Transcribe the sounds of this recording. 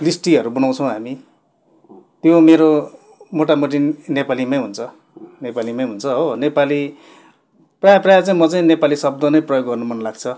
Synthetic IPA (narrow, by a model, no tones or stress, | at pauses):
lisʈiʌɾubʌnaw̃t͡sʰʌw̃ɦami | t̪jomeɾo | moʈamoʈ̬inepalimaj̃ɦunt͡sʰʌ | nepalimaj̃ɦunt͡sʰʌɦonepali | prajaprajat͡saĩmʌt͡saĩnepalisʌb̚d̪ʌnʌjprʌjoɡːɡʌrnumʌnlaɡt͡sʰʌ